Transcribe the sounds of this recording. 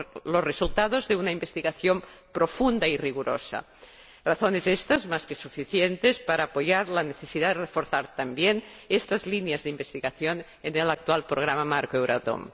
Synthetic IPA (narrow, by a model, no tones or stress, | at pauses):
losresult̪aðozðeunaimbest̪iɣaθjompɾofund̪airiɣ̞uɾo̰sa̰ | raθonezest̪azmaskesufiθjent̪espaɾaːpoʝaɾlaneθesiðaðerefoɾθaɾt̪ambjenest̪azlinjazðeimbest̪iɣaθjon | enelak̚t̪ualpɾoɣ̞ɾamamaɾkoewɾat̪o̰m